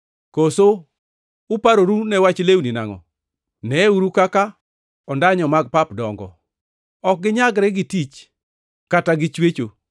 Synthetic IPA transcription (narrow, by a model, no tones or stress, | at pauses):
koso | ʊpaɾoɾunɛwat͡ʃlewninaŋɔ̰ | nɛuɾukaka | ɔndaɲɔmaɡ̚papdɔŋɡɔ̰ | ɔk̚ɡɪɲaɡɾɛɡɪtit͡ʃ | kataɡɪt͡ʃwet͡ʃo